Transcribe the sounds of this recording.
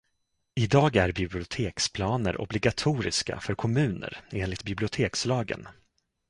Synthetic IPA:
ɪd̪ɑːɡæɾbɪblɪʊt̪ʰeːkspʰlɑːnə̰ɾʔɔ̰blɪɡat̪ʰuːɾɪ̰ska̰fœɾkʰɔmʉ̟ːnə̰ɾeːnlɪt̪̚bɪblɪʊt̪ʰeːkslɑːɡə̰n

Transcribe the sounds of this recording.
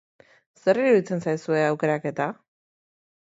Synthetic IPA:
se̞ɾiɾuðit͡se̞nsajsue̞awke̞ɾake̞t̪a

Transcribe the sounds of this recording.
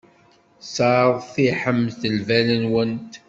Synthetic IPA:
saðˤθiħəmθəlvælənwənt̪

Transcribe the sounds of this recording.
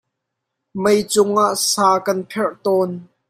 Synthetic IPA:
mɐjt͡sʊŋʔaʔsaːkɐnpʰɛrt̪ɔːn

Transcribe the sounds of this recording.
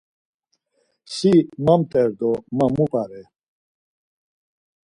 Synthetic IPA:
simamt̪ʼɛɾd̪ɔmamupʰʼaɾɛ

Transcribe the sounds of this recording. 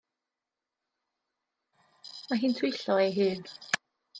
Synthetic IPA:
maɦiːntʰwɪjɬɔejɦɨːn

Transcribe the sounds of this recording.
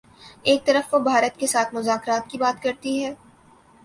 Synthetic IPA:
eːk̚t̪ɐɾəfʋobʱaːɾət̪kesaːt̪ʰmʊzaːkɾaːt̪kibaːt̪kɐɾt̪iɦɛː

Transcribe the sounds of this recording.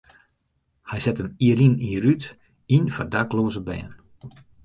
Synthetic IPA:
hɛjsɛtəmiəɾiniəɾyt | infardakloːzəbɛ̰ːn

